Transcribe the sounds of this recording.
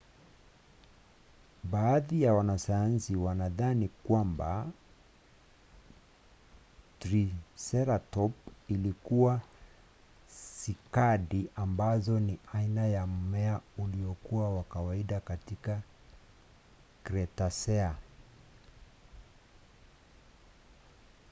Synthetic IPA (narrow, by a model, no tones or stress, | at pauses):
ɓaːðijawanasajansiwanaðanikwamba̰ | tɾisɛɾatɔp̚ilikuwa | sikaɗiʔambazɔniainajam̩mɛauliɔkuawakawaiɗakatika | kɾɛtasɛa